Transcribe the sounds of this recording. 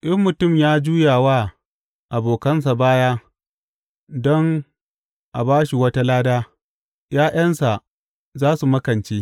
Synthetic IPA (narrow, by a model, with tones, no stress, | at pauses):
ʔɐ˦mːʊ˨tʊ˦˨mjaː˦d͡ʒuː˦jaː˨waː˦ | ʔa˨boː˨kɐ˦nsa˨baː˦jaː˦ | dɔ˦ŋ | ʔa̰˨baː˦ʃi˨wɐ˦ta˦laː˦daː˦ | jaː˦j̰ɐ˦nsa˨ʔ | zaː˦su˨mɐ˦kɐ˨nt͡ʃeː˦